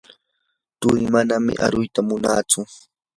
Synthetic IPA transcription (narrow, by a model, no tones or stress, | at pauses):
t̪ʊjmanamɪ̰ʔa̰ɾʊjt̪amʊnaːt͡sʊ